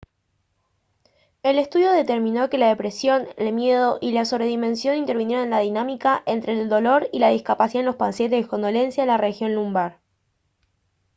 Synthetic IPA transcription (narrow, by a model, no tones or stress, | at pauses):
e̞le̞st̪uðjo̞ðet̪e̞ɾmĩno̞ke̞laðe̞pɾe̞sjo̞nelmje̞ð̞o̞ʔilaso̞βɾe̞ðimẽ̞nsjo̞nint̪e̞ɾβinje̞ɾonenlað̞inamikaʔent̪ɾe̞ːld̪o̞lo̞ɾilað̞ihkapasiðaelo̞spanset̪̬eðeko̞nd̪o̞le̞nsjaðelarexjo̞nlumbaɾ